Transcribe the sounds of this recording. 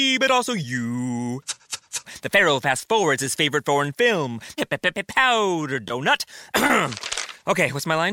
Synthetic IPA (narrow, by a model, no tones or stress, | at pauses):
bʌɾɔlˠsoʊjɨ | ðɨfɛɹoʊpʰæstfɔɹwə˞dz̥ɨz̥feɪvə˞ɨtfɔɹɨ̃nfɪlˠmpɛpɛpɛpɛpʰːaʊɾə˞dõʊ̃nət | ʔoʊkʰeɪwʌtsmaɪlãɪ̃